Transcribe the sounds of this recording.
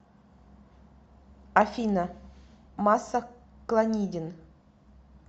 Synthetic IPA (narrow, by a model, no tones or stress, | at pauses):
afʲina | masːaklˠanʲidʲɪn